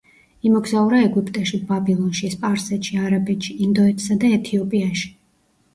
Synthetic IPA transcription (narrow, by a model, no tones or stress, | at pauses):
imɔɡzauɾaɛɡipʼt̪ʼɛʃibabʼilˠɔnʃispʼaɾsɛt̪ʃiaɾabɛt̪ʃiːnd̪ɔɛt̪ʰʼsad̪aɛt̪ʰiɔpʼiaʃi̥